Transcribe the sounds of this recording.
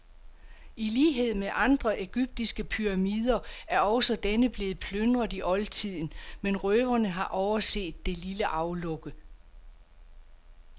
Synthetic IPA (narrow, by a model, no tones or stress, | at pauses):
iliːɦe̝ð̞̰ˠmeʔɑ̈nd̥ʁɐʔe̝ɡ̥yb̥̚d̥isɡ̥əpʰyʁɑ̈miːð̞ˠɐæɐɒ̽sɒd̥enəb̥le̝ːð̞̩ˠpʰlønd̥ʁɐðˠiʔɒ̽lt͡sʰið̞̰ˠn̩menʁœːʋɐnəɦɑ̈ʔɒʊɐse̝̰ːd̥ːe̝liləʔɑ̈ʊlɔ̽ɡ̥ə